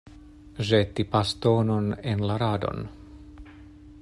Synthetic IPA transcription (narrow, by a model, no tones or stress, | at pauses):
ʒet̪ːipast̪oːnonenlaɾad̪o̰n